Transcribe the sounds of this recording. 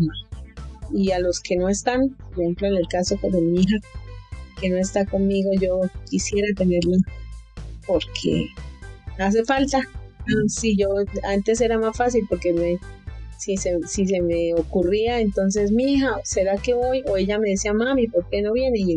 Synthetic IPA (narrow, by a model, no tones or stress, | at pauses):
ialo̞ske̞no̞e̞st̪anpoɾehemploene̞lkaso̞keðe̞miixa | ke̞no̞e̞st̪ako̞nmiɣo̞ʝo̞kisje̞ɾat̪e̞ne̞ɾla | po̞ɾkʰḛ | as̬e̞falt̪a | siʝo̞ant̪e̞s̬e̞ɾamasfasilpo̞ɾkeβesisesis̬e̞me̞okuriae̞nt̪o̞ns̬e̞smiixase̞ɾake̞βo̞jo̞e̞ʝame̞ðesiamamipo̞ɾke̞no̞βje̞ne̞i